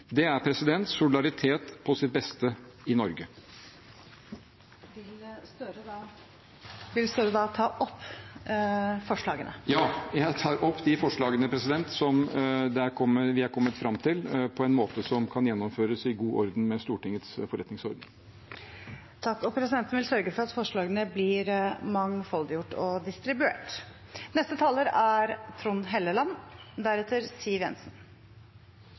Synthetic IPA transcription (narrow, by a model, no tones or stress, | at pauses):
d̪ɛæɾpʰɾɛsɪd̪ɛnt̪sʊlɪd̪ɑɾɪt̪ʰeːt̪pʰɔsɪt̪̚bɛst̪ə | ɪnɔɾɡə | ʋɪlst̪øɾəd̪ɑ | ʋɪlst̪øɾəd̪ɑt̪ʰɑːʔɔpː | fɔʂɭɑːɡənə̰jɑːjæɪt̪ʰɑːɾɔpːd̪ɪfɔʂɭɑːɡənəpʰɾɛsɪd̪ɛnt̪sɔmd̪ɛæɾkʰɔmːəʋɪhɑɾkʰɔmːət̪fɾɑmːt̪ʰɪlpʰɔɛnmoːt̪əsɔmkʰɑnjɛnːɔmføːɾəsɪɡuːʔɔɾd̪n̩mɛst̪uːʈɪŋːət̪sfɔɾɛt̪nɪŋsɔɾd̪n̩ | t̪ʰɑkːɔpʰɾɛsɪd̪ɛnt̪n̩ʋɪlsœɾɡəfɔɾɑt̪fɔʂɭɑːɡənəblɪɾmɑŋfɔld̪ɪjʊʈːɔd̪ɪst̪ɾɪbʉḛːʈ | nɛst̪ət̪ʰɑːləɾæɾt̪ʰɾʊnɦɛlːəlɑnd̪æɾɛt̪ʰːəɾsiːʋjɛ̰nsn